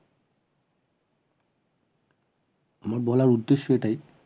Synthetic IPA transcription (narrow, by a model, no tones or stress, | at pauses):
moɹbɔlaɹudːesːɔetaj